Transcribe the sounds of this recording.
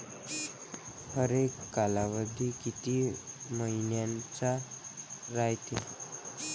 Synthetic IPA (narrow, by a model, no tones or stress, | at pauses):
həɾekːalaʋəd̪ʱikit̪iːməɦinjant͡ɕa | ɾajt̪e